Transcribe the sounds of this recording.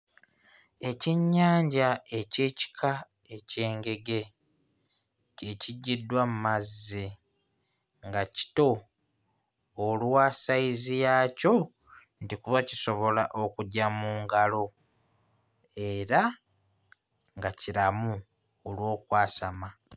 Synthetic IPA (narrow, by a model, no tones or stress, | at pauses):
e̞ciɲːaːɲɟae̞ce̞ːci̥kʰa | e̞ce̞ːŋɡe̞ɡe̞ | e̞ciɟːidwamumazːi | ŋɡaci̥to̞ | lwasaizijaːco̞ | ntikuβaciso̞βo̞laʔo̞kuɟamuːŋɡalo̞ | e̞ɾa | ŋɡaciɾamu | olwo̞ːkwaːsama